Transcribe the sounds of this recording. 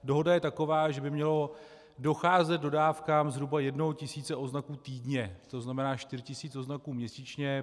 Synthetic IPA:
do̞ɦo̞dajɛt̪ako̞vaːʒɛbɪmɲɛlo̞ | do̞xaːzɛd̪̚do̞daːfkaːmzɦɾubajɛdnoɦocɪsiːt͡sɛʔo̞znakuːt̪iːdɲɛt̪o̞znamɛnaːʃt̪ɪɾɪcɪsiːt͡soznakuːmɲɛsiːt͡ʃɲɛ

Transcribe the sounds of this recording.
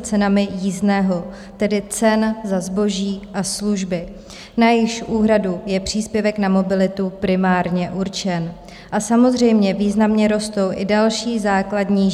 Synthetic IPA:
t͡sɛnamɪjiːznɛːɦo̞ | t̪ɛdɪt͡sɛnzazbo̞ʒiːʔasluʒbɪ | najɪxʃʔuːɦɾadujɛpr̝̥iːspjɛvɛknamo̞bɪlɪt̪upɾɪmaːɾɲɛʔuɾt͡ʃɛn | ʔasamo̞zr̝ɛjmɲɛviːznamɲɛɾo̞st̪o̞wʔɪdalʃiːzaːkladɲiː

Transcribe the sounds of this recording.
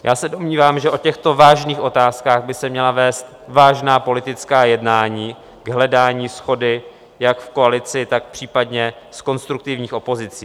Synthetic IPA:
jʔaːsɛdo̞mɲiːvaːmʒɛʔo̞cɛxt̪o̞vaːʒniːxʔo̞t̪aːskaːɣbɪsɛmɲɛlavɛːst̪ | vaːʒnaːpo̞lɪt̪ɪt͡skaːjɛdnaːɲiː | ɡɦlɛdaːɲiːsxo̞dɪ | jakfko̞alɪt͡sɪt̪ak̚pr̝̥iːpadɲɛsko̞nst̪ɾukt̪ɪvɲiːxo̞po̞zɪt͡siː

